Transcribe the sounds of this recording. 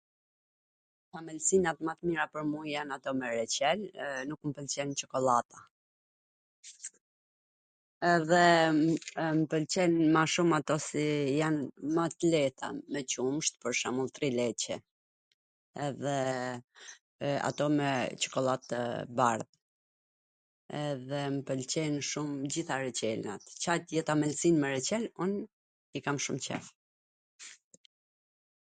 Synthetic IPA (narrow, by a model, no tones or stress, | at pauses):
famɛlsinat̪mat̪miɾapəɾmujanat̪ɔmɛɾɛt͡ɕɛlnukmpəlt͡ɕɛnt͡ʃɔkɔlˠat̪ʰa | ɛðɛ | mpəlt͡ɕɛnmaʃumat̪ɔsijanmat̪lɛt̪a̰mɛt͡ɕumʃt̪pəɾʃamulˠt̪ɾilɛt͡ɕɛ | ɛðɛ | a̰t̪ɔmɛt͡ʃɔ̥kɔlˠat̪əbaɾð | ɛðɛməpəlt͡ɕɛnʃumd͡ʑiθaɾɛt͡ɕɛlnat̪t͡ɕajt̪jɛt̪amɛlsinmɛɾɛt͡ɕɛlun | ikamʃumt͡ɕɛ̰f